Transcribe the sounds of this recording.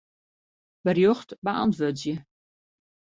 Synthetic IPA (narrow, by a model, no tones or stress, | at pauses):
b̥ərjoxtbəʔa̰ntʋøtzjə